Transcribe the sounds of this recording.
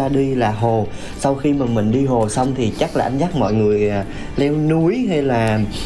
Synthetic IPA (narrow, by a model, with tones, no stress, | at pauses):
aː˧ɗi˧laː˨˩ɦo˨˩ | sa˧wxi˧maː˨˩mï˨˩ŋ̟ɗi˧ɦo˨˩sa˧wŋ͡mt̪ʰi˨˩t͡ɕa˦˥k̚laː˨˩ʔa˧ŋ̟zaː˦˥k̚mɔ̰˧˨jŋɨ˨˩əja˨˩ | lɛ˧wnu˨˦əjɦa˧jlaː˨˩